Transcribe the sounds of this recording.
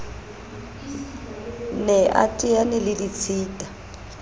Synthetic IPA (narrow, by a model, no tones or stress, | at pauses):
nɛʔa̰tʼɪanɛlɪlit͡sʰiːtʼa